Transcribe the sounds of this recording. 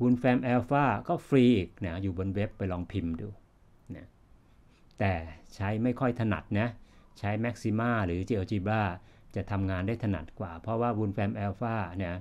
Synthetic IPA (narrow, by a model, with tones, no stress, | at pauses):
wu˧nfɛː˧mʔɛː˧faː˥˩kɔː˥˩fɾiː˧˨˩k̚na˦˥juː˨˩bo˧nwe˦˥pːa˧jlɔː˧ŋpʰi˧mdṵː˧ | na˦˥ | t̪ɛː˨˩t͡ɕʰa˦˥jma˥˩jkʰɔ˥˩jt̪ʰa˧na̰˨˩t̪̚na˦˥t͡ɕʰa˦˥jmɛ˦˥k̚si˧maː˥˩ɾɯː˩˦t͡ɕiː˧ʔa˧t͡ɕiː˧baː˥˩t͡ɕa˨˩t̪ʰa˧mŋaː˧ndaː˥˩jt̪ʰa˧na̰˨˩t̪̚kwaː˨˩pʰɾɔ˦˥waː˥˩wu˧nfɛː˧mʔɛː˧wfaː˥˩na˦˥